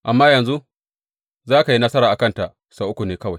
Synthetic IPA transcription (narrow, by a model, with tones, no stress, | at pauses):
ʔa˨mːaː˦jɐ˨nzu˦ | zaː˦ka˨ji˦nɐ˦sɐ˦ɾaː˨ʔa˨kɐ˦˨nta˨ʔ | saː˦ʔʊ˦kʷu˨neː˦kɐ˦wa˨j